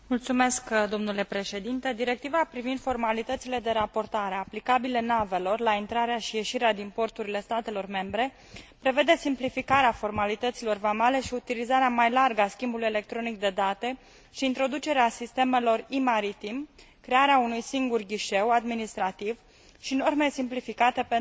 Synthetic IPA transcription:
mult̪sume̞skd̪o̞mnule̞pɾe̞ʃe̞d̪int̪e̞d̪iɾe̞k̚t̪ivapɾivind̪fo̞rmalit̪ət̪sile̞d̪e̞ɾapo̞rt̪aɾeaplikabilenave̞lo̞rlaint̪ɾaɾeaʃije̞ʃiɾead̪inpo̞rt̪uɾile̞st̪at̪e̞lo̞rme̞mbɾe̞ | pɾe̞ve̞d̪e̞simplifikaɾeafo̞rmalit̪ət̪silo̞rvamale̞ʃiut̪ilizaɾeamajlarɡaskʲimbuluje̞le̞k̚t̪ɾo̞nik̚d̪e̞d̪at̪e̞ | ʃiːnt̪ɾo̞d̪ut͡ʃe̞ɾeasist̪e̞me̞lo̞rimaɾit̪im | kɾe̞aɾeaunujsiŋɡurɡʲiʃe̞wad̪minist̪ɾat̪iv | ʃino̞rmesimplifikat̪e̞pe

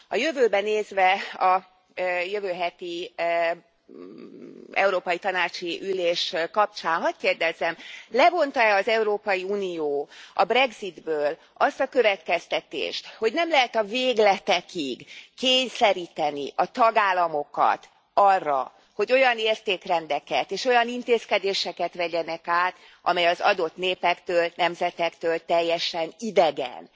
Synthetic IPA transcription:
ɒjø̞vøːbɛneːzʋɛɒ | jøvøːɦɛt̪i | ɛ̰uɾoːpɒjit̪ɒnaːt͡ʃiʔyleːʃkɒp̚t͡ʃaːnɦɒckeːrd̪ɛzɛmlɛvo̞nt̪ɒɛɒzɛuɾoːpɒjiuːnijoːɒbrɛɡzid̪bøːl | ɒst̪ɒkø̞vɛt̪kɛst̪ɛt̪ḛːʃt̪ho̞ɟnɛmlɛɦɛt̪ɒveːɡlɛt̪ɛkiɡkeːɲsɛɾiːt̪ɛnḭʔɒt̪ɒɡaːlːɒmo̞kɒ̰t̪ | ɒrːɒ̰ | ho̞ɟo̞jɒneːrt̪eːkrɛnd̪ɛkɛt̪eːʃo̞jɒnint̪eːskɛd̪eːʃɛkɛt̪ʋɛɟɛnɛkaːt̪ | ʔɒ̰mɛjɒzɒ̰d̪o̞t̪neːpɛkt̪øːlnɛmzɛt̪ɛkt̪øːlt̪ɛjːɛʃɛnid̪ɛɡɛ̰n

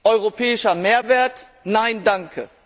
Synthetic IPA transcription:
ʔɔʏʁopʰɛːɪʃɐmeːɐveːɐt | naɪndaŋkʰə̰

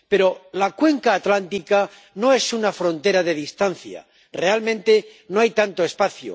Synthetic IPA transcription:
pe̞ɾolakwe̞ŋkaːt̪lant̪ika | no̞e̞sunafɾo̞nt̪e̞ɾaðe̞ðist̪an̟θja̰ | realmẽnt̪e̞noajt̪ant̪oespaθjo̰

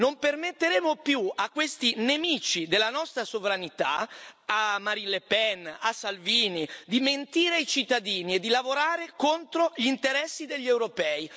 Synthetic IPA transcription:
nompermet̪ːeɾeːmopjuakːwest̪inemiːt͡ʃid̪elːanɔst̪ɾasovɾanit̪a̰amːaɾilepɛnasalviːnid̪iment̪iːɾeajt͡ʃit̪ːad̪iːnied̪ːilavoɾaːɾekont̪ɾoʎint̪eɾɛsːid̪eʎːewɾopɛːi

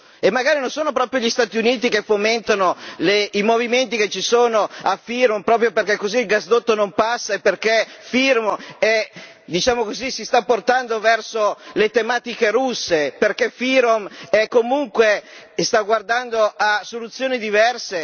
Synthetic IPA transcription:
emːaɡaːɾinonsoːnopɾɔːpɾjoʎist̪aːt̪iuniːt̪ikefːoment̪anoleimoviment̪iket͡ʃːisoːnoafiɾompɾɔːp̬ɾjoperkekːoziːlɡazd̪ot̪ːonompasːaepːerkefirmɛ | d̪it͡ʃaːmokozisist̪apːort̪and̪ovɛrsolet̪emaːt̪ikeɾusːeperkefiɾomɛkːomuŋkwe | st̪aɡward̪and̪oasːolut̪sːjoːnid̪ivɛrse

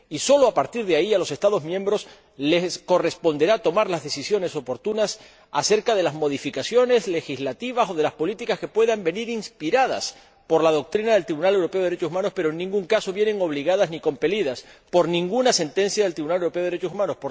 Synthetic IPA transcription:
iso̞loapaɾt̪iɾðeaialo̞se̞st̪aðo̞zmjẽ̞mbɾo̞s | le̞sko̞re̞spo̞nd̪e̞ɾat̪o̞maɾlazðe̞sisjo̞ne̞so̞po̞ɾt̪unas | ase̞ɾkaðe̞lazmo̞ðifikasjo̞ne̞zle̞xizlat̪iβaso̞ðe̞laspo̞lit̪ikaske̞pwe̞ðambe̞niɾinspiɾaða̰s | po̞ɾlað̞o̞k̚t̪ɾinaðe̞lt̪ɾiβunale̞wɾo̞pe̞oðɾet͡ʃo̞s̬umãno̞spe̞ɾoenːĩŋɡuŋkaso̞βjene̞ŋo̞β̞liɣaðazniko̞mpe̞liðas | po̞ɾnĩŋɡunase̞nt̪ẽ̞nsjaðelt̪ɾiβunalewɾo̞pe̞oeɾet͡ʃosumãno̞spoɾ

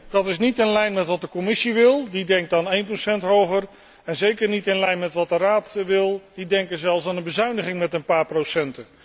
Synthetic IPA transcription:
dɑtɪsnitɪnlɛjnmɛtʋɑt̚dəkɔmɪsiʋɪlˠdidɛŋk̚taːnejnprosɛntɦowχər | ɛnzejkəɹnitɪnlɛjnmɛtʋɑt̚dəraːtʋɪlˠd̥idɛŋkəzɛlˠfsaːnənbəzœɥnəχɪŋmɛtənpaːɹprowsɛntə

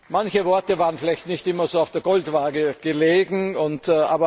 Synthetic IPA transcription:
mançəvɔɐtəvaːʁənfɪlæɪçtnɪçtɪmɐzoːaʊfd̥eːɐɡɔltvaːɡəɡ̥əleːɡŋ̩ʊntːʔa̰ːbɐ

